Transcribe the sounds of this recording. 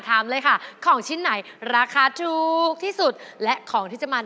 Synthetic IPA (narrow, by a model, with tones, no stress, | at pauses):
t̪ʰaː˨˩˦mlɤː˧jkʰa˥˩kʰɔː˩˦ŋt͡ɕʰi˦˥˩nːa˩˦jɾaː˧kʰaː˧t̪ʰuː˨k̚t̪ʰiː˥˩su˨˩t̪̚lɛ˦˥ʔkʰɔː˩˦ŋt̪ʰiː˥˩t͡ɕa˨˩ʔmaː˧